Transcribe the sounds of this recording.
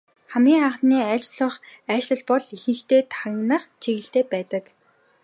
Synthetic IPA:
χæmɡʲiːŋaɴχəniːæːt͡ɕɮə̆χæːt͡ɕɮə̆ɮpɔɮixɘ̆ŋxt̪eːt̪ʰaŋnəχt͡ɕʰiɣɘ̆ɬt̪eːpæːt̪ə̆k

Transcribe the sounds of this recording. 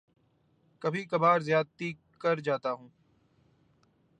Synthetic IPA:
kɐbʱikɐbaːɾzjaːd̪t̪i | kɐɾd͡ʒaːt̪aɦũː

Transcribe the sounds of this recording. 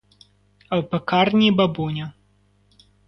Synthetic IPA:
ɐwpɐkarnʲibabunʲɐ

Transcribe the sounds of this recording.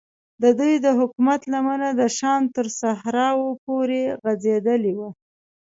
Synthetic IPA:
d̪əd̪ujd̪əɦʊkumat̪lamanad̪əʃɑnt̪əɾsahɾɑwopoɾeɣazed̪əlewa

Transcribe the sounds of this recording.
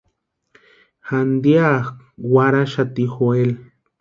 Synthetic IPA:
xand̪jakwaɾaʃat̪ixoel

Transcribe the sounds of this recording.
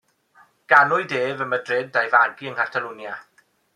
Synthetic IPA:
ɡ̥anʊɨdeːvəmədred̚dajvaɡiəŋkʰatʰalunja

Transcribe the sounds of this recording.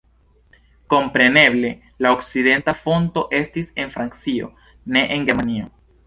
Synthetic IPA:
ko̞mpɾe̞ne̞ble̞ | laokside̞ntafo̞nto̞ʔe̞stise̞nfɾant͡sio̞̰ | ne̞ʔeŋɡe̞ɾmanio̞

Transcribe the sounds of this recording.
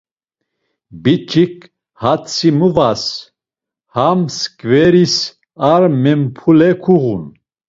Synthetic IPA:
bit͡ʃʰʼik | hat͡sʰimuvas | hamskʼvɛɾis | aɾmɛmpʰulɛkʰuɣun

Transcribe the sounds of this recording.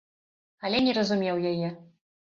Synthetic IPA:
ɐlʲɛnʲɛɾɐzumʲɛwjajɛ

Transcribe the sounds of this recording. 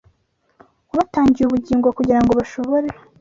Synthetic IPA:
uβataːɲɟijuβuɟiːŋɡo̞kuɟiɾaŋɡo̞βaʃo̞βo̞ɾe

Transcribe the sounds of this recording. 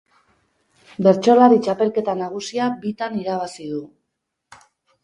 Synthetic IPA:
be̞ɾt͡ʃo̞laɾit͡ʃape̞lke̞t̪anaɣ̞usiabit̪aniɾaβasiðu

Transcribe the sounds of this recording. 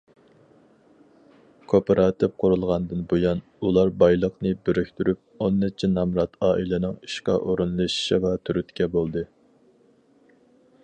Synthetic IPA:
kʰopʰeɾʔɑːt̪ʰɪpqʰʊɾulˠʁɑnd̪ɨnbojɑn | ulˠɑɾbɑjlˠəqnɨbeɾykʲt̪yɾyp̚onːɛt͡ʃʰinɑmɾɑt̪ʰɑːʔilɪnɪŋi̥ʃqɑ̰ʔoɾunlˠɨʃi̥ʃivɛt̪ʰyɾyt̪kʲʰɛbolˠd̪ɨ

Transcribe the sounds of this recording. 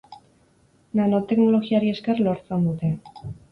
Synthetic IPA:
nano̞t̪e̞kno̞lo̞ɣiaɾie̞ske̞rlo̞ɾt͡se̞nd̪ut̪e̞

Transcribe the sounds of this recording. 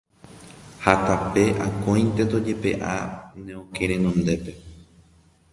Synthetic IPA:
hat̪ape̞ʔakõj̃nt̪et̪od͡ʒe̞pe̞̰ʔa̰nẽõkeɾẽnõnd̪e̞pe̞

